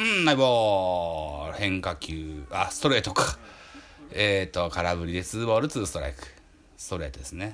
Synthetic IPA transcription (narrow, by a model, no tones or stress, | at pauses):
ɯ̃aiboː | hẽ̞ŋkakʲɨːasɨ̥t̪o̞ɾe̞ːt̪okḁ | eːt̪okaɾabɯ̟ɾʲid̪et͡sɨːboːɾɯ̟t͡sɨːsɨ̥t̪o̞ɾa̰ikɯ̟̥ | sɨ̥t̪o̞ɾe̞ːt̪od̪esɨne